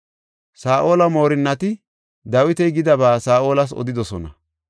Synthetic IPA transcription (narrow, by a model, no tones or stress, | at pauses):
saːʔo̞ːlɐmo̞ːɾɪnːɐt̪ɪ | d̪ɐwɪt̪ɛjɡɪd̪ɐbaːsaːʔo̞ːlɐs̬ɔ̰d̪ɪd̪ɔsɔnɐ